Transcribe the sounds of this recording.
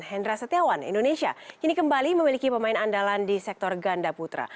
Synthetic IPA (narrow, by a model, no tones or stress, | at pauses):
hɛndɾasət̪eawanḭndonesia̰kinikəmbaliməmilikipəmaɪnandalandisɛk̚t̪ɔrɡandaput̪ɾa̰